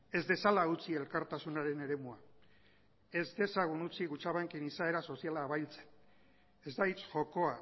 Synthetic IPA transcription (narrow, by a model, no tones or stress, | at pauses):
e̞zd̪e̞salaut͡sie̞lkaɾt̪asunaɾe̞ne̞ɾe̞mua | e̞zd̪e̞saɣ̞unut͡siɣut͡ʃaβaŋkinisae̞ɾaso̞sialaːβajlt͡se̥n | e̞zd̪ait͡sʝo̞ko̞a